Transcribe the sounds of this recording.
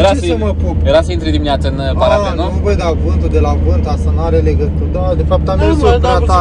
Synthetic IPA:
jeɾasməpujeɾaseint̪ɾed̪imineat̪səɨnpaɾaenouvojd̪avɨnt̪ud̪e̞lavɨnt̪ast̪anuaɾeleɡət̪ut̪ad̪e̞fap̚t̪amesoat̪a

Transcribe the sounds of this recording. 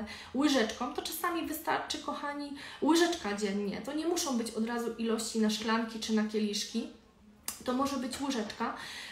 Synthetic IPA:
wɘʐɛt͡ʂkɔ̃w̃t̪ɔt͡ʂasamʲivɘst̪a̰ɾt͡ʂɘkɔxaɲiwɘʐɛt͡ʂkad͡ʑɛɲːɛ̰t̪ɔɲɛmuʂɔ̃w̃bɘt͡ɕɔd̪ɾazuʔilɔɕt͡ɕinaʂklaŋkʲit͡ʂɘnakʲɛlʲiʂkʲi | t̪ɔmɔʐɛbɘt͡ɕwɘʐɛt͡ʂka

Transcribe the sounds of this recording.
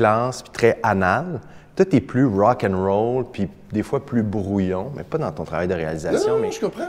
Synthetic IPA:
lɑ̃spi̥t̪χɛanalt̪wat̪ɛplyʁɑkɛ̃nʁolpi | d̪efwaplybʁujɔ̃mɛ̰pad̪ɑ̃t̪ɔ̃t̪χʁavajd̪əʁea̰lizasjjɔ̃mɛkɔ̃p

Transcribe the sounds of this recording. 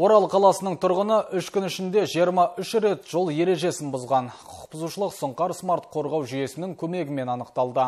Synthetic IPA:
wo̞ɾɑlˠqʰɑlˠɑsənəɴt̪ʰʊɾʁənəʔʏʃkʲʏnɪʃɪnd̪e̞ʒijəɾmɑʔʏʃɾe̞t̪ʒ̥o̞lˠje̞ɾe̞ʒe̞sɪnbʊzʁɑnqʰʊ̥q̚pəzuʃəlˠəqsəɴqɑɾsmaɾt̪qʰo̞ɾʁɑwʒyje̞sɪnɪŋkʲʰɵme̞ɡʲɪme̞nɑnəqt̪ɑlˠd̪ə

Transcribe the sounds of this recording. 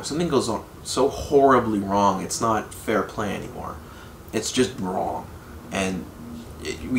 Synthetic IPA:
sʌ̃mθɪ̃ŋɡoʊzn̩ | soʊhɔɹɨbliɹɔ̃ŋɨ̰tsnət̚fɛɹpʰl̥ẽɪ̃ɛ̰nḭmɔ̰ɹ | ɨtsd̥ʒ̥ʌst̚ɹɔ̰̃ŋ | ʔɨ̃n | ɪwi

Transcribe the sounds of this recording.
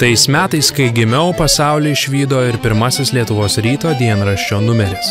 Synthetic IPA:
t̪ɐɪsmʲæːt̪ɐɪskɐɪɡʲɪmʲɛʊpɐsɑˑʊlʲɪɪʃʲʋʲiːd̪oːɪɾpʲɪɾmɐsʲɪslʲiɛt̪ʊʋoːsɾʲiːt̪oːd̪ʲiɛnɾɐʃʲt͡ʃʲoːnʊmʲɛɾʲɪs

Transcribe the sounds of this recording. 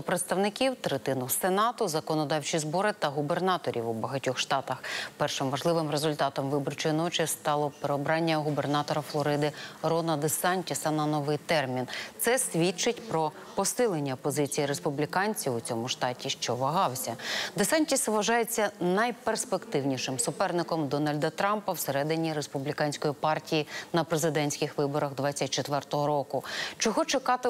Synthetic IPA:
ʊpɾet̪st̪ɐʋnɪkʲiwt̪ɾet̪ɪnʊsenɑt̪ʊzɐkɔnɔd̪ɑwt͡ʃizbɔɾɪt̪ɐɦubernɑt̪ɔɾʲḭwubɐɦɐtʲɔxʃt̪ɑt̪ɐxpɛrʃɪmʋɐʒlˠɪʋɪmrezʊlʲt̪ɑt̪ɔmʋɪbɔrt͡ʃɔjinɔt͡ʃɪst̪ɑlˠɔpeɾeɔbɾɑnʲːɐɦubernɑt̪ɔɾɐflˠɔɾɪd̪ɪrɔnɐd̪esɑnʲtʲisɐnɐnɔʋɪjt̪ɛrmʲint̪sɛsʲʋʲit͡ʃɪtʲpɾɔ | pɔsɪlˠenʲːɐpɔzɪt͡sʲijiɾespʊblʲikɑnʲt͡sʲiwʊt͡sʲɔmʊʃt̪ɑtʲiʃt͡ʃɔʋɐɦɑwsʲɐd̪esɑnʲtʲisʋɐʒɑjet͡sʲːɐnɐjperspekt̪ɪwnʲiʃɪmsʊpɛrnɪkɔmd̪ɔnɐlʲd̪ɐt̪ɾɑmpɐwseɾɛd̪ɪnʲiɾespublʲikɑnʲsʲkɔjipɑrtʲijinɐpɾezɪd̪ɛnʲsʲkɪxʋɪbɔɾɐɣd̪ʋɑt͡sʲːɐt̚ʲt͡ʃet̪ʋɛrt̪ɔɦɔɾɔkʊt͡ʃɔɦɔt͡ʃɪkɑt̪ɪ

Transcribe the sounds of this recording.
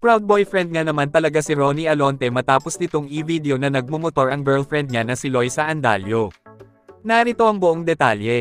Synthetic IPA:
pɹawd̪̚bojfɾɛnd̪̚ŋanɐmant̪ɐlɐɡasɪɾoniʔɐlo̞nt̪ɛmɐt̪aːposnɪt̪o̞ŋʔivid̪ɛo̞nɐnɐɡ̚momot̪o̞ɹʔɐŋbɛɹlfɹɛnd̪̚ɲanɐsɪlo̞jsɐʔɐnd̪a̰ljo̞ | naɾɪt̪o̞ʔɐŋbʊʔoŋd̪ɛt̪aljɛ

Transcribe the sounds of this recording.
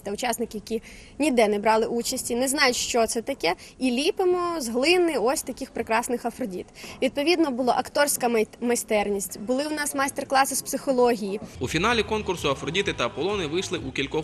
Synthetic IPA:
t̪ɛʊt͡ʃɑsnɪkʲɪjɐkʲinʲid̪ɛnɛbɾɑlˠɪʔut͡ʃɐsʲtʲinɛznɑjʊtʲʃt͡ʃɔt̪sɛt̪ɐkɛilʲipɪmɔzɦlˠɪnːɪɔsʲt̪ɐkʲixpɾɪkɾɑsnɪxɐfɾɔdʲḭt̪ʋʲid̪̚pɔʋʲid̪nɔbʊlˠɔ̰ʔɐkt̪ɔrsʲkɐmɐst̪ɛrnʲisʲtʲbʊlˠɪʊnɑsmɑst̪erklˠɑsɪspsɪxɔlˠɔɦʲijiufʲinɑlʲikɔnkʊrsʊɐfɾɔdʲit̪ɪt̪ɐɐpɔlˠɔnɪʋɪjʃlˠɪʔukʲilʲkɔ

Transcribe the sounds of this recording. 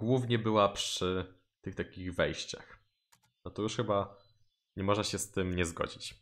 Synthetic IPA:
ɡwuvɲɛbɘwapʂɘ | t̪ɘxt̪akʲiɣvɛjɕt͡ɕa̰x | nɔt̪ɔjuʂxɘba | ɲɛmɔʐnaɕɛst̪ɘmɲɛzɡɔ̰d͡ʑit͡ɕ

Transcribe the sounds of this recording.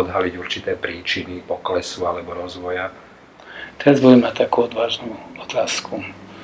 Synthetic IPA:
ɔd̪ɦaliɟuɾt͡ʃit̪ɛːpɾiːt͡ʃinipɔklɛsualɛbɔɾɔzʋɔja | t̪ɛnzbud̪imat̪akuːɔd̪ʋaːʒnuːɔt̪aːsku

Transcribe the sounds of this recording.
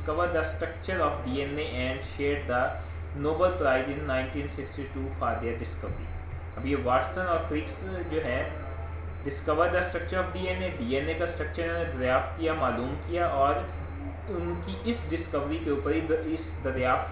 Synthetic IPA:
kəʋəɾd̪asʈɾɐk̚t͡ʃəɾɔːfɖiːɛneʔɛ̃ːɳɖʃeːɾd̪a | noːbəlpɾaːɪzɪ̃nːãːɪ̃ɳʈĩːnsɪksʈiʈuːfʰaːɾd̪ijaɖɪskəʋɾi | ɐbjeʋaːʈsə̃nɔːɾfɪks | d͡ʒoːɦɛ | ɖɪskəʋəɾd̪asʈɾɐk̚t͡ʃəɾɔːfɖiːɛːneɖiːɛnekasʈɾɐk̚t͡ʃəɾnepɾɐʋjaːft̪̚kijamaːluːmkijaʔɔːɾ | ʊnkiʔɪsɖɪskəʋɾikeuːpəɾiɪsd̪ɐʋjaːft̪

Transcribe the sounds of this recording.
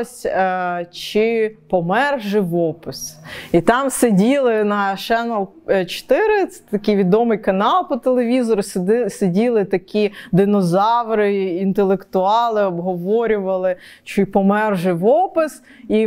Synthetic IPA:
sʲ | t͡ʃɪpɔmɛrʒɪʋɔpɪsit̪ɑmsedʲilˠɪnɐʃɛnɔlˠ | t͡ʃt̪ɪɾɪɛt̪ɐkʲijʋʲid̪ɔmɪjkɐnɑlˠpɔt̪elˠeʋʲizɔɾʊssedʲilˠɪt̪ɐkʲʰid̪ɪnɔzɑwɾɪint̪elˠekt̪ʊɑlˠɪɔbɦɔʋɔɾʲʊʋɐlˠɪ | t͡ʃɪpɔmɛrʒɪʋɔpɪs | i

